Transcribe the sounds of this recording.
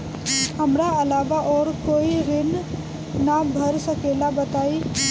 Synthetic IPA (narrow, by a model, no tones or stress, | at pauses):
ɦəmɾaɐlaːʋaʔɔːɾkoːiɾɪn | nabʱəɾsəkeːlabət̪aːiː